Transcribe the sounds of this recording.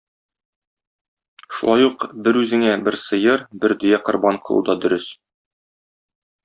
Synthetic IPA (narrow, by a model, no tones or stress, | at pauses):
ʃṵlˠɑjuqbɘɾʉzɘ̆ŋæbɘɾsɤ̆jɤɾbɘɾd̪ɵ̆jæqŏɾbɑɴqʰɤ̆lˠṵd̪ɑd̪ɵ̆ɾɘs